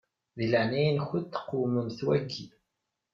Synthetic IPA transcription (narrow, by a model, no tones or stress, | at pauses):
ðiləʕnæjnçət̪ːə̥qːuməmθwæɡːi